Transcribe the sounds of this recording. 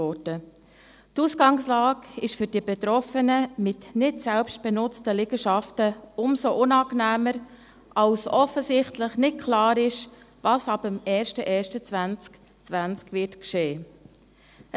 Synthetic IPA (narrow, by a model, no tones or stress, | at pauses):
ɔdə | tusɡɑŋslɑːkɪʃfʏɾd̥iəbɛtɾɔfənəmɪtnɪtsɛlpʃt̚b̥ɛnʊt͡stəlɪɡəʃɑftəʊmsoʔʊnɑːknæːməɾ | ʔɑwsɔfːəsɪχtləχnɪt̚kʰlɑːɾɪʃ | vɑːsɑbəmɛːɾʃtəʔɛːʃtət͡svænt͡sk | t͡sʋænt͡skvɪtkʃeː